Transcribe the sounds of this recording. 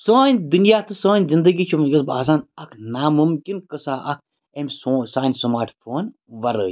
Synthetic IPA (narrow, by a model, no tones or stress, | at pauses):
səːnʲd̪unjaːt̪ʰɨsə̃ːnʲzind̪əɡiːt͡ʃʰumɡɐsba̰ːs̬aːnɐkʰnaːmumkʲinkəsaːʔɐk̚ʰ | emʲsoːsaːnʲsɐmaːɾʈfʰoːn | ʋɐɾə̰ːj